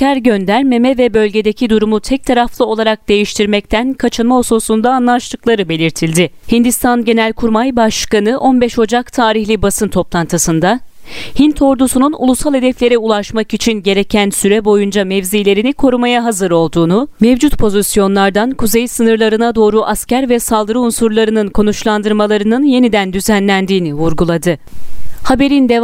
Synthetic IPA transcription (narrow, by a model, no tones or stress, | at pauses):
cæɾɟønd̪æɾmemɛvɛbø̞lʲɟe̞d̪ecʰid̪uɾumut̪ʰɛc̚t̪ʰaɾaflˠɯo̞lˠaɾak̚d̪e̞jiʃt̪ʰiɾmɛc̚t̪ʰænkʰat͡ʃʰɯnmaososund̪aːnlˠaʃlˠɯklˠaɾɯbe̞lʲiɾt̪ʰilʲd̪ɪhind̪ist̪ʰanɟe̞nælʲkʰuɾmajbaʃkanɯʔo̞nbɛʃo̞d͡ʒakt̪ʰaːɾiçlʲibasɯnt̪ʰo̞plˠant̪ʰɯsɯnd̪a | hint̪ʰo̞ɾd̪usununṵlˠusalˠhe̞d̪ɛflʲe̞ɾiulˠaʃmakit͡ʃʰinɟe̞ɾe̞cʰænsyɾɛbo̞jund͡ʒamɛvzijlʲe̞ɾinikʰo̞ɾumajaɦazɯɾo̞lˠd̪uːnumevd͡ʒut̪pʰo̞zisjo̞nlˠaɾd̪ankʰuzejsɯnɯɾlˠaɾɯnad̪o̞ːɾuʔascæɾvɛsalˠd̪ɯɾɯunsuɾlˠaɾɯnɯnkʰo̞nut͡ʃlˠand̪ɯɾmalˠaɾɯnɯnje̞nid̪ænd̪yzænlʲænd̪iːnivuɾɡulˠad̪ɯhabe̞ɾind̪e